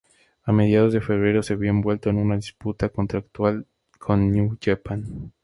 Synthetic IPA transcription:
ame̞ðjað̞o̞zðe̞fe̞β̞ɾe̞ɾo̞se̞βjoembwe̞lt̪oenunaðisput̪ako̞nt̪ɾak̚t̪wal | kʰo̞nːjuʝapan

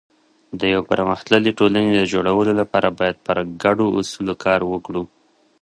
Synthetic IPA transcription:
d̪əjawpəɾməxt̪ləleʈolaned̪əd͡ʒoɽawəlolapɑɾabɑjad̪̚pəɾɡaɖoʔʊ̰sulokʰɑɾwəkɽu

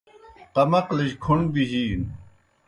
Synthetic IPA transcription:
qɐmɐqliɕkʰuɳbiʑiːn

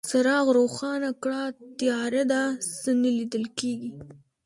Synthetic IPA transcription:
saɾɑɣɾoxɑnakɽɑt̪ijɑɾad̪asənalid̪əlkeɡi

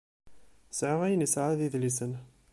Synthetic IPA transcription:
sʕəʁæjənisʕaðiðlisən

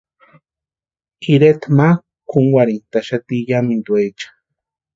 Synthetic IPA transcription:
iɾet̪ma | kʰuŋwaɾint̪aʃat̪ijamind̪uet͡ʃḁ

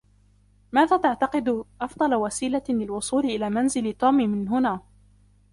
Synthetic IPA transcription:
maːðaːt̪aʕt̪ɑqɪd̪ʔɑfd̪ˤɑlɑwasiːlalɪlwʊsˤuːlɪʔɪlaːmanzɪlt̪uːmiːmɪnɦʊnaː

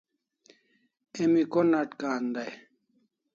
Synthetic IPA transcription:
emikonɐʈkaːnd̪aj

